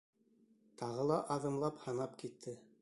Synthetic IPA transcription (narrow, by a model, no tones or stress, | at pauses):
t̪ɑʁɤlˠɑʔɑðɤ̆mlˠɑphɑnɑpkit̪ʰːɘ